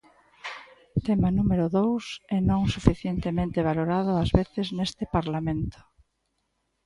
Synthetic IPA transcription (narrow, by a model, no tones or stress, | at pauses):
t̪emanumeɾʊðowsɛnõŋsufiθjent̪emẽnt̪eβ̞aloɾaðʊazβeθɪznest̪ɪpaɾlamẽnt̪ʊ̥